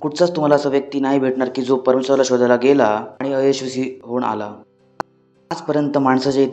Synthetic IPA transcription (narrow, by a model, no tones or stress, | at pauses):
kuʈt͡sat͡st̪um̤alasəʋjək̚t̪iːnaɦibʱeʈɳaɾkiːd͡zopəɾəmeɕɾalaɕod̪ʱalaɡelaaɽ̃iəjeɕʋəsiːɦoɳa̰la | ad͡zpəɾjənt̪əmaɳsat͡ɕait̪